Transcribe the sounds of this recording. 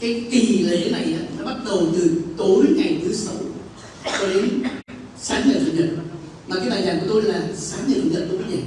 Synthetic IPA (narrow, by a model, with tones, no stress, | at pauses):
kaː˨˦jk̪i˨˩le˨˦na˨˩jʔaː˨˦nɔ˨˦ɓa˦˥t̚ɗə˨˩wt̪ɨ˨˩t̪o˨˦jŋa˨˩jt̪ʰɨ˨˦sa˨˦w | t͡ɕɔ˧˦ɗe˨˦ | saː˨˦nɲə̰˨˩fʰə̰˨˩n̚ɗə̰˨n̚ | maː˨˩kaː˨˦jɓaː˨˩jzaː˨˩ŋku˧˩ət̪o˧jlaː˨˩saː˨˦nɲː˨˩fʰə̰˨˩nlə̰˨˧˩ɗu˨˧˦ə˨˦ɲə˨˩